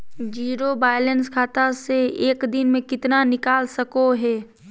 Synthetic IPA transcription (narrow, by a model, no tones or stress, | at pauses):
d͡ʒiːɾobaːjlənskʰaːt̪aseeːkd̪ɪnmẽkɪt̪nanɪkaːlsɐkoɦɛː